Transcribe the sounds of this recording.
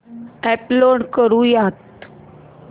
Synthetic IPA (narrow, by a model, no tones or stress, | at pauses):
ɛploɽkəɾũːjat̪